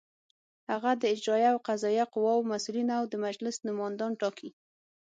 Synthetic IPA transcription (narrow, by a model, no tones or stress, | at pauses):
haɣad̪əɪd͡ʒɾɑjawqazɑjaqʊwɑwmasulinawd̪əmad͡ʒlɪsnʊmɑnd̪ɑnʈɑkʰi